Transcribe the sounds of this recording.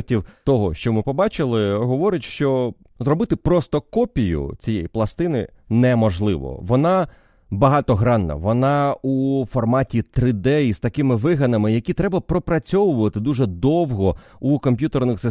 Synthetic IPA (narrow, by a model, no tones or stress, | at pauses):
tʲiwt̪ɔɦɔʃt͡ʃɔmɪpɔbɑt͡ʃɪlˠɪɦɔʋɔɾɪtʲʃt͡ʃɔ | zɾɔbɪt̪ɪpɾɔst̪ɔkɔpʲijʊ̰t͡sʲijɛjiplˠɐst̪ɪnɪ̰ | nɛmɔʒlˠɪʋɔ̰ʋɔnɑ | bɐɦɑt̪ɔɦɾɑnːɐ̰ʋɔnɑufɔrmɑtʲit̪ɾɪd̪ɛist̪ɐkɪmɪʋɪɦɐnɐmɪjɐkʲit̪ɾɛbɐpɾɔpɾɐt͡sʲɔʋʊʋɐt̪ɪd̪uʒɛd̪ɔwɦɔ | ukɔmpʲjut̪ernɪxsɪ